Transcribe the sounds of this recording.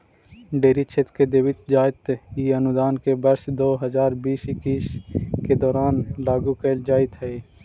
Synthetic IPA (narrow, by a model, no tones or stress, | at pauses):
ɖeːɾit͡ʃʰet̪ked̪eːwɪt̪d͡ʒaːɪt̪iənʊd̪aːnkebɐɾsd̪oːɦəzaːɾbiːsɪkiːsked̪ɔːɾaːnlaːɡukeːld͡ʒaːɪt̪ɦɛe